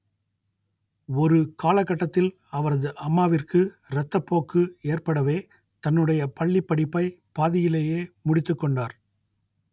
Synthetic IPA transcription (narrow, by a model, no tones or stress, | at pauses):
ɔɾɯkʰaːlɐkːɐʈːɐt̪ːɪl | ɐʋɐɾɐðɯʔɐmːaːʋɪrkɯ | ɾɐt̪ːɐpːoːkːɯeːrpɐɽɐʋeː | t̪ɐnːɯɽɐjɐpɐɭːipːɐɽɪpːɐɪpaːðɪjɪleːjeːmʊɽɪt̪ːɯkːɔɳɖaːɾ